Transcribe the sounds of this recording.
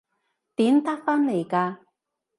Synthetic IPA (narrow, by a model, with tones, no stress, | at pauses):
t̪iː˨˥mt̪ɐ˥k̚faː˥nle˨˩jkaː˧